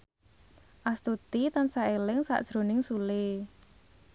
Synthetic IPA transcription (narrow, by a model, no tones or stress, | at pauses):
ʔast̪ut̪it̪ansaʔelɪŋsa̰ʔd̥ʒ̥ɾo̤nɪŋsule